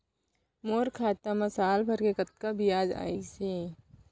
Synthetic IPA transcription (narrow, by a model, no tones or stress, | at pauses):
moːɾkʰaːt̪amɐsaːlpʰɐɾkekət̪̚kabijaːd͡ʒa̰ːiseː